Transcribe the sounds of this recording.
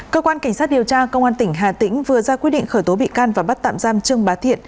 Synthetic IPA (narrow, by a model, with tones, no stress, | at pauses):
kəː˧kwaː˧nka˧˩ŋ̟saː˦˥t̚ɗi˨˩əwt͡ɕaː˧kə˧wŋ͡mʔaː˧nt̪ï˧˩ŋ̟ɦaː˨˩t̪ï˧˥ŋ̟vɨ˨˩əzaː˧kwi˦˥ɗḭ˧˨ŋ̟xəː˧˩jt̪o˨˦ɓḭ˧˨kaː˧nvaː˨˩ɓa˦˥t̚t̪a̰ː˧˨mzaː˧mt͡ɕɨ˧əŋɓaː˨˦t̪ʰḭ˧˨ən